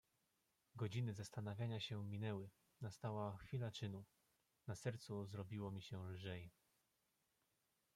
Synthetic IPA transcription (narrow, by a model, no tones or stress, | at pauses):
ɡɔd͡ʑinɘzast̪anavʲjaɲaɕɛmʲinɛwɘ | nast̪awaxfʲilat͡ʂɘnu | nasɛɾt̪suzɾɔbʲiwɔmʲiɕɛlʐɛj